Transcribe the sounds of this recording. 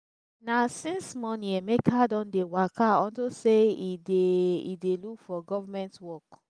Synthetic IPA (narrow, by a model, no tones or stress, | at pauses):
nasĩnsmɔnĩɛmekʰadɔ̃ndewakʰaɔ̃ntoseideḭdelukfɔɡɔvamɛ̃ntwɔk